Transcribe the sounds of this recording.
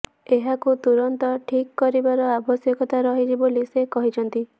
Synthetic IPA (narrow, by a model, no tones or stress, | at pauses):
eɦakut̪uɾɔnt̪ɔʈʰikːɔɾibaɾɔabʱɔsjɔkɔt̪aɾɔɦid͡ʒibolisekɔɦit͡ʃʰɔnt̪i